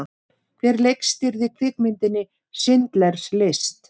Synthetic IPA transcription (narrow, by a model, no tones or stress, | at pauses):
kθʰvɛɾlejkst̪ɪɾðɪkʰvɪkmɪnt̪ɪnːɪ | sɪnt̪lɛɾ̥slest̪